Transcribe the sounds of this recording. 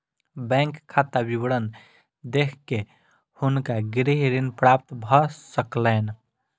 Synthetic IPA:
bɛ̃ŋkʰːat̪abibəɽən | d̪ekʰke | hunkaɡɾiɦɾinpɾap̚t̪bʱɔsəklɛn

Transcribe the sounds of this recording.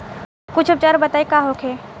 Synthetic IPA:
kʊt͡ʃʰʊb̚t͡ʃaːɾbɐt̪aːekaɦokʰeː

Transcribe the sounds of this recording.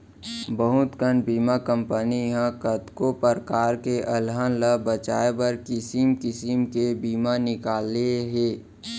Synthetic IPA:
bəɦʊt̪kənbiːmakə̃mpəniɦãkət̪kopəɾkaːɾkeʔəlɦənləbət͡ʃaːebəɾkɪsimkɪsimkebiːmanɪkaːleɦeː

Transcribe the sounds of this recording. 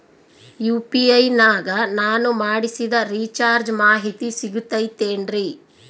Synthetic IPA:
juːpiɐjnaːɡɐnaːnumaːɽisid̪ɐɾiːt͡ʃaːɾd͡ʒmaːɦit̪isiɡut̪ːɐjt̪ːe̞ːnɖɾi

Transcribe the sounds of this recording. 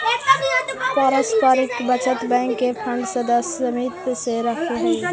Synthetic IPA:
paːɾəspaːɾɪkbɐt͡ʃət̪bɛ̃ːŋkːefʰɐ̃ɳɖsɐd̪əsɐmiːt̪seɾɐkʰeɦɛ̃ː

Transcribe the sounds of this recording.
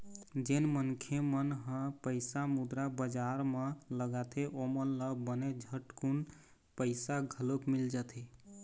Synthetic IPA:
d͡ʒenmənkʰemənɦə̃pəɪsamud̪ɾabəd͡ʒaɾmeləɡat̪ʰeʔomənləbəned͡ʒʱəʈkun | pəɪsaɡʱəlopmild͡ʒat̪ʰi

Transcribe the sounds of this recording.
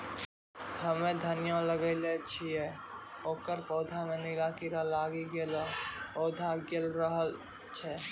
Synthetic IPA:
həmẽd̪ʱənijoləɡəɪlet͡ʃʰijɛ | oːkəɾpɔːd̪ʱamẽnilakiɾalaːɡiɡelapɔːd̪ʱaɡelɾəɦəl | t͡ʃʰɛ

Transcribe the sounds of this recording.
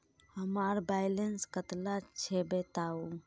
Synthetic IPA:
həməɾbajlenskət̪lat͡ʃʰɛbet̪au

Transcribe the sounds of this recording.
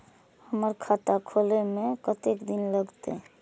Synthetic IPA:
həməɾkʰaʈ̪akʰolemekət̪ekd̪inləɡt̪ḛ

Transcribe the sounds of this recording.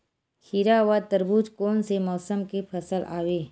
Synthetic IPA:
hʰiɾaʋat̪əɾbuːd͡ʒkoːnsemɔːsəmkipʰɐsəla̰ːweː

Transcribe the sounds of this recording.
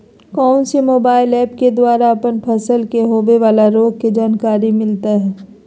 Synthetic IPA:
kɔːnsemoːbaːɪlɛːpked̪waːɾaɐpənpʰɐsəlkeɦoːʋeʋaːlaɾoːɡ̚ked͡ʒaːnkaːɾimɪlt̪aɦɛː

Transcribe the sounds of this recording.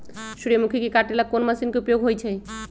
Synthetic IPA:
ʃuɾemukʰikikaʈelakonmasinkeupjoɡɦojt͡ʃʰɛj

